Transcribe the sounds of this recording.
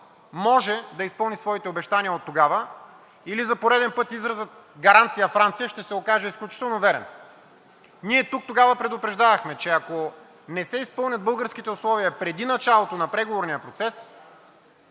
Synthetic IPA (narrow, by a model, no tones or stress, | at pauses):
mɔʒɛd̪ɐispɤlˠnisvɔit̪ɛobɛʃt̪aniəot̪ːoɡavə | ilizɐpoɾɛd̪ɛnpɤt̪izɾɐzət̪̚ | ɡɐɾant̪sijəfɾant̪sijəʃt̪ɛsɛokaʒɛisklʲut͡ʃi̥t̪ɛlˠnovɛɾɛ̰n | niɛt̪uk̚t̪oɡavɐpɾɛd̪ʊpɾɛʒd̪avɐxmɛt͡ʃɛɐko | nɛsɛispɤlˠnʲɐt̪̚bɤlˠɡəɾskit̪ɛʊslˠɔviəpɾɛd̪inɐt͡ʃalˠot̪onɐpɾɛɡovoɾnijəpɾot̪sɛs